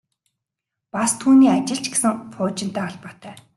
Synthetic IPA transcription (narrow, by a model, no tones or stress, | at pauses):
past̪ʰuːniːat͡ɕɪ̆ɬt͡ɕɡesɘ̆ŋpʊːt͡ɕɪ̆n̥t̪æːɔɮpɔːt̪ʰœː